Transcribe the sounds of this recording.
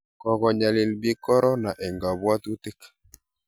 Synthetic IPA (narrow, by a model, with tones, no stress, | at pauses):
kɔ˨kɔ˨ɲa˨lɪ˨lbi˦kɔ˦ɾɔ˦na˨ʔɛ˨ŋɡa˨bwa˦t̪u˦t̪ɪ˦k